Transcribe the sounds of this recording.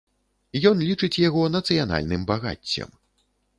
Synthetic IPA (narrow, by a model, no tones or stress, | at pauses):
jɔnlʲit͡ʂɨt͡sʲjaɣɔnɐt̪sɨjan̪a̰lʲnɨmbaɣa̰t͡sʲːɐ̰m